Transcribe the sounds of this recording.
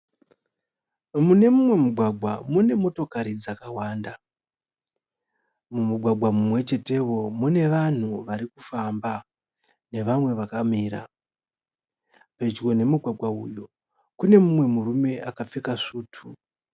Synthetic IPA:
mune̞mumwe̞muɡʱwaɡʱwamune̞mo̞to̞kaɾid͡zakawaːnda | mumuɡʱwaɡʱwamumwe̞t͡ʃe̞te̞wo̞mune̞ʋan̤uʋaɾikufamba | ne̞ʋamwe̞ʋakamiːɾa̰ | pe̞t͡ʃko̞ne̞muɡʱwaɡʱwaṵjo̞ | kune̞mumwe̞murume̞ʔakap͡fekaʂuːtʰu

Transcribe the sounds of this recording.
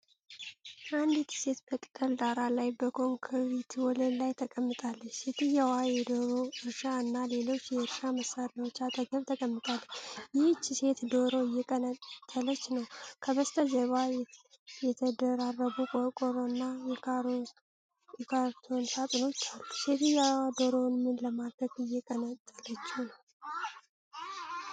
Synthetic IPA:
ʔand̪it̪ʰi̥se̞t̪bət̪ʼɨ̥kʼəld̪aɾalajbəkʰo̞ŋkʰəβit̪wɔlənlajt̪ʰəkʼəmːɨt̪ʼalːət͡ʃːse̞t̪ʰɨjɛwajɛd̪oɾoɨɾʃaɨnːale̞lo̞t͡ʃːjɛɾʃaməsaɾawo̞t͡ʃːat̪ʼəɡəβt̪ʰəkʼəmːɨt̪ʼalːəjɪht͡ʃːse̞t̪d̪o̞ɾo̞ɪjːɛkʼənt̪ʼːələt͡ʃːnəwkʰəβəst̪ʰəzəβa | jɛt̪ʰəd̪əɾarːəɡukʼokʼoɾoɨnːa | ɛkʰaɾt̪ʰo̞nsʰat̪ʼɨno̞t͡ʃːalu̥se̞t̪ɨjawad̪oɾo̞nmɨnləmad̪ɾəɡɨjːɛkʼənət̪ʼːəlːət͡ʃːunəw

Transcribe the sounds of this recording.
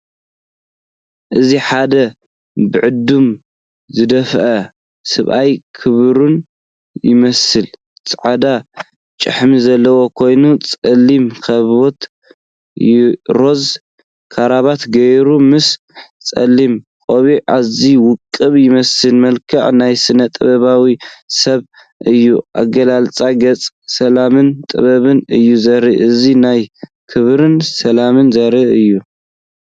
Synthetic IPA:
ʔɨziħad̪ɐ | bɨʕɨd̪ːum | zɨd̪ɐfʔɐ | sɨβʔajkʰɨβɾun | jɪ̰mɐsɨl | t͡sʼʕad̪a | t͡ʃʼɨ̰ħmizɐlːɐwo̞kʰo̞jnut͡sʼɐlːimkʰɐβot̪ | ɾo̞z | kʰaɾaβat̪ɡɐjɾumɨs | t͡sʼɐ̰lːim | kʼoβiʔa̰ziwʊkʼːɨβjɪmɐsɨnmɐlkʰaʕnajsɨnɐt̪ʼɨβɐβawisɐβ | ʔɨjːuʔa̰ɡɐlalt͡sʼaɡɐt͡sʼ | sɐlamɨnt̪ʼɨ̰βɐβɨnɨjːuzɐɾiʔɨzinaj | kʰɨβɾɨnsɐlamɨnzɐɾiʔɨjːu

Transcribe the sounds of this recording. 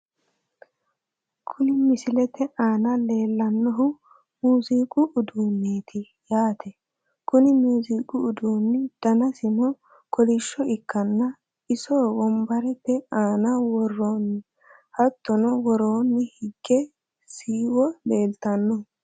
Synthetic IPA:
kʰʊnɪmɪsɪlɛt̪ɛʔaːnɐle̞ːlːɐnːɔɦʊ | muːziːkʼʊʔːd̪uːnːeːt̪ʰɪ | jaːt̪ʰɛ | kʊnɪmuːziːkʼʊʊd̪uːnːɪd̪̥ɐnɐsɪnɔ | kɔlɪʃːɔɪkːɐnːɐ | ɪsoːwɔmbɐɾɛtːɛaːnɐwɔrːoːnː | hɐt̪ːɔnɔwɔɾoːnːɪhɪɡːɛ | siːwɔleːlt̪ɐnːɔ

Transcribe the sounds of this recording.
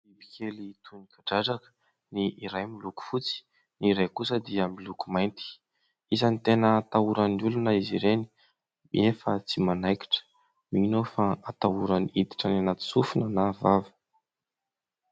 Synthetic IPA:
ibi̥kʲelit̪ʰunikaɖ͡ʐaʈ͡ʂakə̥ | niːɾajmiluku̥fut͡si̥ | niɾajkusəd̪iamilukumajnt̪i̥ | izanit̪enət̪auɾənulunəiziɾeni̥ | mḭefət͡simanajki̥ʈ͡ʂə̥ | miɲinofaat̪auɾəniid̪i̥ʈ͡ʂananat̪i̥sufunənavavə̥

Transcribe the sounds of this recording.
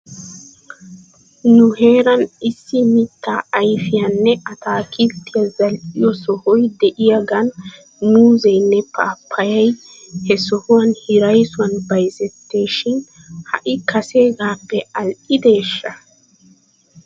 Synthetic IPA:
nʊhe̞ːɾɐnɪsːɪmɪt̪ːaːɐjfɪjɐnːɛʔɐt̪aːkɪt̪ːɪjɐzɐlʔɪjɔsɔhɔjd̪ɛʔɪjaɡɐnː | uːzɐjnːɛpa̰ːpʰːɐjɐj | hɛsɔhʊwɐnhɪɾɐjsʊwɐnbɐjzɛt̪ːe̞ːʃɪn | hɐ̰ʔɪkʰɐse̞ːɡaːpːɛɐlʔɪd̪e̞ːʃːɐ

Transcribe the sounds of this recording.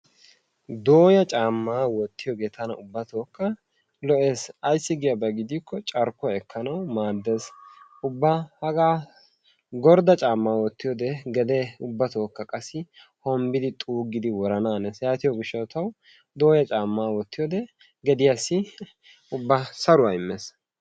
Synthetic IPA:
d̪o̞ːjɐt͡ʃʼaːmːaːwɔt̪ːɪjɔɡe̞ːt̪ʰɐnɐ̰ʊbːɐt̪oːkːɐ | lɔʔe̞ːsɐjsːɪɡɪjɐbɐɡɪd̪iːkːɔt͡ʃʼɐɾkːɔɛkʰːɐnɐwmaːd̪ːesʊbːɐhɐɡaː | ɡɔɾd̪ɐt͡ʃʼaːmːaːwɔt̪ːɪjɔd̪ɛɡɛd̪ɛʊbːɐt̪o̞ːkːɐkʼɐsɪ | hɔmbɪd̪ɪt̪ʼuːɡɪd̪ɪwɔɾɐnaːnɛsjaːt̪ɪjɔɡɪʃːɐt̪ɐw | d̪o̞ːjɐt͡ʃʼaːmːaːwɔt̪ːɪjɔd̪ɛ | ɡɛd̪ɪjasːɪ | ʊbːɐsɐɾʊwaɪmːeːs

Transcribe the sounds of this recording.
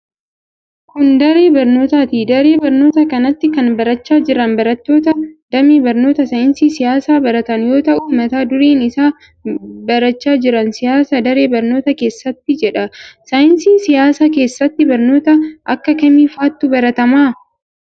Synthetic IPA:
kʊnd̪ɐɾe̞ːbɐɾno̞ːt̪aːt̪iːd̪ɐɾe̞ːbɐɾno̞ːt̪ɐkɐnɐt̪ːɪkɐnbɐɾɐt͡ʃːaːd͡ʒɪɾɐnbɐɾɐt̪ːo̞ːt̪ɐd̪̥ɐmiːbɐɾno̞ːt̪ɐsɐjɪnsiːsɪjaːsaːbɐɾɐt̪ɐnjo̞ːt̪ɐʔuːmɐt̪aːd̪ʊɾeːnɪsaː | bɐɾɐt͡ʃːaːd͡ʒɪɾɐnsɪjaːsad̪ɐɾe̞ːbɐɾno̞ːt̪ɐke̞ːsːɐt̪ːɪd͡ʒɛᶑɐsɐjɪnsiːsɪjaːsaːke̞ːsːɐt̪ːɪbɐɾno̞ːt̪ɐʔɐkːɐkɐmiːfaːt̪ːʊbɐɾɐt̪ɐmaː

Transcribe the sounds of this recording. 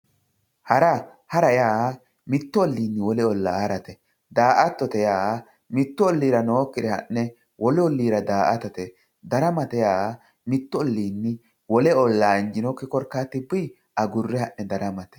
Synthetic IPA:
hɐɾɐ | hɐɾɐjaː | mɪt̪ːɔɔlːiːnːɪwɔlɛɔlːa̰ːɐɾɐt̪ɛ | d̪aːʔɐt̪ːɔt̪ɛjaː | mɪt̪ːɔɔlːiːɾɐnoːkːɪd̪ɛhɐ̰nːɛ | wɔlɛɔlːiːɾɐd̪aːʔɐt̪ɐt̪ɛ | d̪ɐɾɐmɐt̪ɛjaː | mɪt̪ːɔɔlːiːnːɪ | wɔlɛɔlːaːɪnd͡ʒɪnɔkːɪkɔɾkːaːt̪ːɪbːɪ | ʔɐɡʊrːɛhɐnːɛd̪ɐɾɐmɐt̪ɛ̥

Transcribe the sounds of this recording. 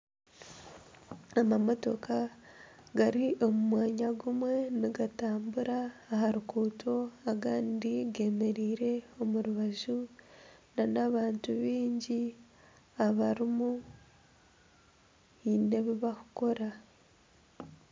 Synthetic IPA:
amamo̞to̞̰ka | ɡaɾiʔo̞mumwaːɲaɡumwe̞niɡataːmbuɾaːhaɾukuːtʰo̞aɡaːndiɡe̞me̞ɾiːɾe̞o̞muɾuβaʒu | nanaβaːntuβiːɲɟi | aβaɾimu | ine̞βiβaku̥ko̞ɾa

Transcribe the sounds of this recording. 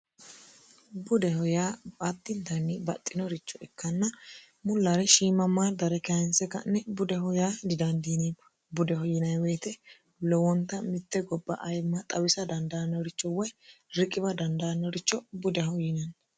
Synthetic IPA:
bʊd̪ɛhɔjaːbʼat̪ːɪnt̪ɐnːɪbɐt̪ʼːɪnɔɾɪt͡ʃːɔɛkːɐnːɐ | mʊlːɐɾɛʃiːmːɐmːaːd̪ɐɾɛkɛɪnsɛkɐ̰nːɛbʊd̪ɛhɔjaːd̪ɪd̪ɐnd̪iːnibɐ | bʊd̪ɛɦɔjɪnɐjweːt̪ɛ | lɔwɔnt̪ːɐmɪt̪ːɛɡɔbːɐʔɐjmːɐt̪ʼɐwɪsɐd̪ɐnd̪ɐnːɐɾɪt͡ʃːɔwɐjɾɪkʼːɪbɐd̪ɐnd̪ɐɐnːɔɾɪt͡ʃːɔbʊd̪ɛhɔjɪnɐn

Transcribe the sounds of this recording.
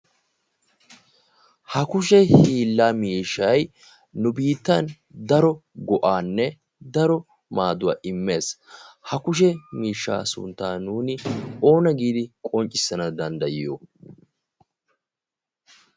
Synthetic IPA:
hɐkʊʃɛhiːlːaːmiːʃːɐj | nʊbiːt̪ːɐn | d̪ɐɾɔɡɔʔaːnːɛ | d̪ɐɾɔ | maːd̪ʊwa̰ːʔɪmːe̞ːshɐkʊʃ̬ɛmiːʃːa̰ːsʊ̰nt̪ːaːnuːnɪo̞ːnɐɡiːd̪ɪkʼɔnt͡ʃʼɪsːɐnɐd̪ɐnd̪ɐjɪjo̰

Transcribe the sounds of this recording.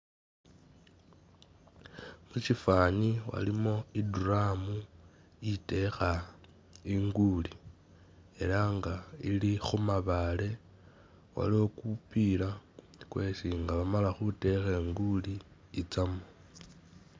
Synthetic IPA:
mut͡ʃifaːɲiwa̰limo̞iduramu | ite̞xa | iŋɡuli | e̞laŋɡailixumaβale̞ | wa̰liokupila | kweːsiŋɡaβamalaxute̞xeŋɡuliː | t͡samo

